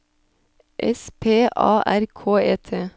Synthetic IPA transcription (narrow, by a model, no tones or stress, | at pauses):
ʔɛ̰spʰeːʔɑ̰ːʔæɾkʰoːeːt̪ʰeː